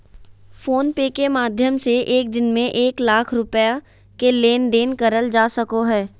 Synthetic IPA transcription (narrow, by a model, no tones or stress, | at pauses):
foːnpeːkemaːd̪ʱjəmseʔeːk̚d̪ɪnmẽʔeːklaːkʰɾʊpja | keleːnd̪eːnkəɾəld͡ʒaːsəkoɦɛː